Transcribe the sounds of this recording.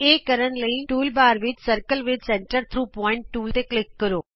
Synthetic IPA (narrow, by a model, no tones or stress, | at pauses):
eːkːəɾənləiʈuːlbaːɾʋɪd͡ʒsəɾkəlʋɪd͡ʒsẽːɳʈəɾt̪ʰɾuːpɔːɪ̃ɳʈːuːlt̪eklɪkːəɾoː